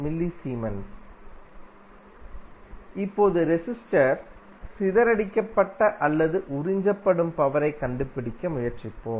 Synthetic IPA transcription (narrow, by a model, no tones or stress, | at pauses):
mɪlːisiːmɐn | ɪpːoːðɯɾɛsɪsʈɐɾ | sɪðɐɾɐɽɪkːɐpːɐʈːɐʔɐlːɐðɯʔʊɾɪɲd͡ʒɐpːɐɽɯmpɐʋɐɾɐɪkɐɳɖɯpːɪɽɪkːɐmʊjɐɾt͡ʃɪpːoː